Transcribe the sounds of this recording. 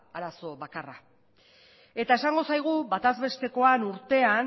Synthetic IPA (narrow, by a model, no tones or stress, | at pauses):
aɾaso̞βakara | e̞t̪ae̞saŋɡo̞sajɣ̞uβat̪azβe̞st̪e̞ko̞anuɾt̪e̞an